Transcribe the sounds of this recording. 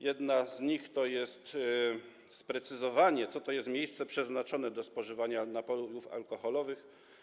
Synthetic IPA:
jɛd̪nazɲixt̪ɔjɛst̪ | spɾɛt̪sɘzɔvaɲɛt̪sɔt̪ɔjɛst̪mʲejst̪sɛpʂɛznat͡ʂɔnɛd̪ɔspɔʐɘvaɲanapɔuufa̰lkɔxɔlɔvɘx

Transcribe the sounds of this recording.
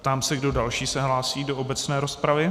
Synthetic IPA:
pt̪aːmsɛɡdo̞dalʃiːsɛɦlaːsiːdo̞ʔobɛt͡snɛːɾospɾavɪ

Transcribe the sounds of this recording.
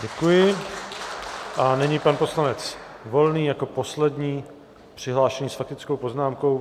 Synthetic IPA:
ɟɛkujɪ | ʔanɛɲipanpo̞slanɛt͡svo̞lniːjako̞po̞slɛdɲiː | pr̥ɪɦlaːʃɛɲiːsfak̚t̪ɪt͡sko̞wpoznaːmko̞w

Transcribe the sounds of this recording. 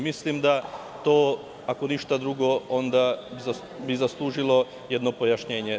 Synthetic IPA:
mislimd̪a | t̪oː | ako̞niʃt̪ad̪ɾuɡoo̞nd̪abza | bizaslˠuːʒilˠo̞ | jed̪no̞po̞jaʃɲe̞ːɲe

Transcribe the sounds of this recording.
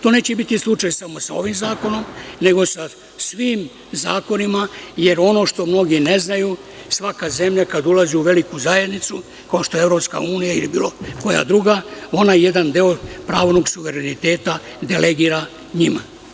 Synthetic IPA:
t̪o̞ne̞ːt͡ɕebit̪islˠut͡ʃajsamo̞sa̰o̞ʋimzaːko̞no̞mne̞ɡo̞sa | sʋiːm | za̰ːko̞nimaje̞ɾo̞no̞ːʃt̪o̞mno̞ɡine̞znaju | sʋakaze̞mʎakad̪ulaziuʋe̞likuzaje̞d̪nit̪su | kao̞ʃt̪o̞jeevɾo̞pska̰uːnijailibiːlo̞ko̞ja̰d̪ɾuɡao̞naje̞d̪and̪eopɾaːʋno̞ɡsuʋeɾenit̪e̞ːt̪a | d̪elʔeɡiːɾa | ɲima̰

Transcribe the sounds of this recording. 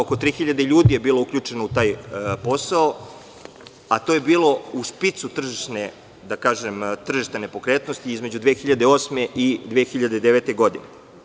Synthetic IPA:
okot̪ɾiːxiʎad̪eʎuːd̪ije̞biːloukʎʲuːt͡ʂe̞nout̪aːjpo̞sao | at̪oje̞biːlo̞uspit̪sut̪r̩ʒiʃne | d̪akaːʒemt̪r̩ʒiʃt̪ene̞po̞kɾeːt̪nost̪iizme̞d͡ʑud̪ʋeːxiʎad̪eo̞ːsme̞ʔid̪ʋeːxiʎad̪ed̪eʋet̪eɡo̞d̪ine

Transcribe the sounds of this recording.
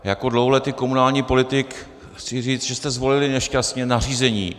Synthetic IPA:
jako̞dlowɦolɛt̪iːko̞munaːlɲiːpo̞lɪt̪ɪk | xt͡sɪriːt͡sʒɛst̪ɛzvo̞lɪlɪnɛʃcast̪ɲɛnar̝iːzɛɲḭː

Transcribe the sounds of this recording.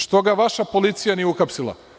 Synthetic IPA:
ʃt̪o̞ɡaʋaʃapo̞lit̪sijanieuxapsilˠa̰

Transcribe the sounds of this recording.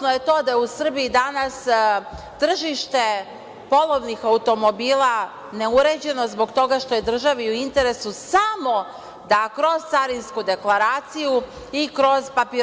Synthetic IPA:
nojet̪o̞ːd̪ajeusr̩biid̪anas | t̪r̩ʒiʃt̪e̞ | po̞lˠoʋnixaut̪o̞mo̞biːla | ne̞uɾe̞d͡ʑe̞no̞zbo̞ɡt̪o̞ɡaʃt̪o̞je̞d̪r̩ʒaʋiuint̪e̞ɾe̞susamo̞ | d̪akɾo̞z̥t̪saɾinskud̪e̞klˠaɾaːt̪siju | ikɾo̞zpapi

